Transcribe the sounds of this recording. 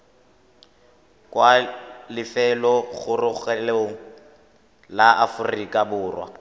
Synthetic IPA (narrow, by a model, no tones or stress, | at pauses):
kʼwalɪfɛlɔɣʊrʊɣɛleŋ̩ | laʔafʊrikʼabʊːrwa̰